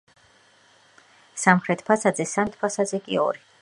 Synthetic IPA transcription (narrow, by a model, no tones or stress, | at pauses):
samχɾɛt̪ʰpʰasad̪zɛsamt̪̚ʰpʰasad̪zɛkʼḭɔ̰ɾi